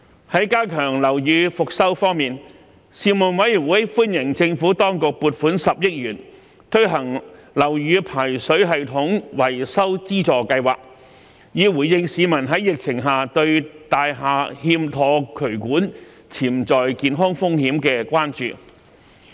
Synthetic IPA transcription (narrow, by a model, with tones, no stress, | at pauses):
hɐ˨˥jkaː˥kʰœː˨˩ŋlɐ˨˩wjyː˨˧fʊ˨k̚sɐ˥wfɔː˥ŋmiː˨n | siː˨˧mʊ˨nwɐ˨˥jnwuː˨˥jfuː˥njɪ˨˩ŋt͡sɪ˧ŋfu˨˥t̪ɔː˥ŋkʊ˨k̚puː˨t̚fuː˨˥nsɐ˨p̚jɪ˥k̚jɥyː˨˩n | t̪ʰɵ˥ɥɦɐ˨˩ŋlɐ˨˩wjyː˨˧pʰaː˨˩jsɵ˨˥ɥɦɐ˨jt̪ʰʊ˨˥ŋwɐ˨˩jsɐ˥wt͡siː˥t͡sɔː˨˩kɐ˧jwa̰ː˨k̚ | jiː˨˧wuː˨˩jjɪ˧ŋsiː˨˧mɐ˨˩nɦɐ˨˥jɪ˨k̚t͡sʰɪ˨˩ŋɦaː˨˩t̪ɵ˧ɥt̪aː˨jɦaː˨hiː˧mt̪ʰɔː˨˧kʰɵ˨˩ɥkuː˨˥n | t͡sʰiː˨˩mt͡sɔː˨jkiː˨nɦɔː˥ŋfʊ˥ŋhiː˨˥mkɛː˧kʷaː˥nt͡ʃy̰ː˨